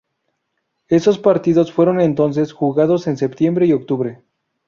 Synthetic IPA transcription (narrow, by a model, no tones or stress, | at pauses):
e̞so̞spaɾt̪iðo̞sfwe̞ɾo̞ne̞nt̪o̞ns̬e̞sxuɣaðo̞se̞nsept̪je̞mbɾe̞io̞k̚t̪uβɾe̞